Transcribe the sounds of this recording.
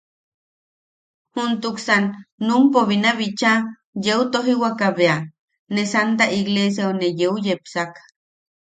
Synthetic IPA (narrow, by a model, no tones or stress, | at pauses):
hunt̪uksanːumpoβinaβit͡ʃa | jeut̪oɦiwakaβea | nesant̪̬aʔiɣles̬jaonejeujepsakḁ